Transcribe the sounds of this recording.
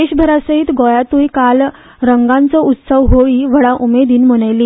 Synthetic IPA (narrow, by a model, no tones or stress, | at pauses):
eɕbʱəɾasəɦiːt̪ɡɔjat̪uːjkal | ɾəŋɡãnt͡səut̪səʋɦoʋiʋəɽaʔumed̪iːnməɽ̃ajliː